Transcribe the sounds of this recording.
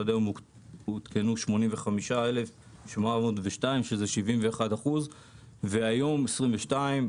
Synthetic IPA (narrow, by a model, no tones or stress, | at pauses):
ad̪ajomu | ut̪kʰenuʃmo̞nimveχamiʃae̞le̞f | ʃmamodveʃtaimʃezeʃivimve̞ːχadaχuz | veajo̞mesʁimveʃtaim